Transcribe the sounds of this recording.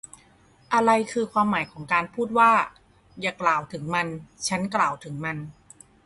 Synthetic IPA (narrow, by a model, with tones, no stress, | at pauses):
ʔa˧ɾa˧jkʰɯː˧kʰwaː˧mːaː˩˦jkʰɔː˩˦ŋkaː˧npʰuː˥˩t̪̚waː˥˩ | jaː˨˩klaː˨˩wt̪ʰɯ˩˦ŋma˧nt͡ɕʰa˦˥nklaː˨˩wt̪ʰɯ˩˦ŋma˧n